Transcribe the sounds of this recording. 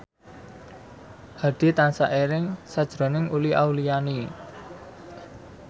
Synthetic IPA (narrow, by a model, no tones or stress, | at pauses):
haɖ̪̥i̤t̪ansaʔeɾɪŋsad̥ʒ̥ɾɔ̤nɪŋuliʔawliani